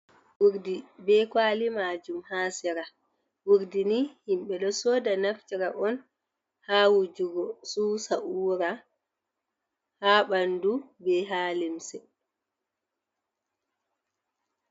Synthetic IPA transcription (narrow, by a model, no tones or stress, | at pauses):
wuɾdibɛkwaːlimad͡ʒumhaːsɛɾa | wuɾdinihimɓɛɗɔsɔːdanaftiɾaʔɔn | hawud͡ʒuɡɔsusaʔuːɾa | haɓandubɛɦaːlimsɛ